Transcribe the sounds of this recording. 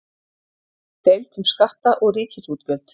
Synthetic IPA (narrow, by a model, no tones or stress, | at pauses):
t̪ælt̪ʰɘ̆mʃχaχt̪aːʔoːɾiːkxet͡ɕuːt̪kœːɮt̪